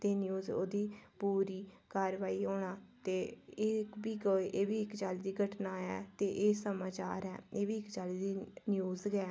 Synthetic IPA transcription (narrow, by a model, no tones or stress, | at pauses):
t̪eːnjuːzo̰ːd̪iːpuːɾiːkaːɾʋaːiːɦoːɳaːt̪eːɪkbiːɡoʔeːʋiːɪkd͡ʒaːliːd̪iːɡʱəʈnaːɛ̰ːt̪eːʔeːsəmaːt͡ʃa̰ːɾɛ̰ːeːʋiːɪkd͡ʒaːliːd̪iːnɪjoːzəkɛː